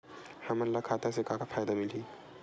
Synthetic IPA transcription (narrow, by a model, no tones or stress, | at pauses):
hɐmɐnlːakʰaːt̪asekakafaːjd̪amɪlɦiː